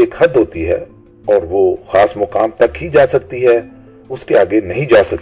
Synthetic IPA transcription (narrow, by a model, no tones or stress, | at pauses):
eːkhɐd̪ɦoːt̪iɦɛ̰ | ɔːɾʋoxaːsmʊqaːmt̪ɐkɦid͡ʒaːsɐk̚t̪iɦɛ | ʊskeaːɡenɐɦĩd͡ʒaːsɐk̚t̪